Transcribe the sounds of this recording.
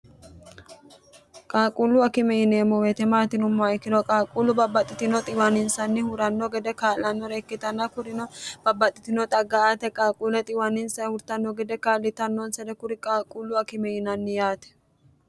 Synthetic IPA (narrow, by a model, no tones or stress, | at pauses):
kʼaːkʼulʊɐkɪmɛjɪneːmːɔwet̪ɛmaːt̪ɪnʊmːɔɪkːɪlɔkʼaːkʼulʊbɐbːɐt̪ʼːɪt̪ɪnɔt̪ʼɪwɐnɪnsɐnːɪhʊɾɐnːɔɡɛd̪ɛkaːlɐnːɔɾɛːkːɪt̪ɐnːɐkʊɾɪnɔb̥ɐbːɐt̪ʼːɪt̪ɪnɔt̪ʼɐɡːɐat̪ɛkʼaːkʼulɛt̪ʼɪwɐnɪnsɐhʊɾt̪ɐnːɔɡɛd̪ɛkaːlːɪt̪ɐnːɔnsɐd̪ɛkʊɾɪkʼaːkʼulːʊɐkɪmɛjɪnɐnːɪjaːt̪ɛ̥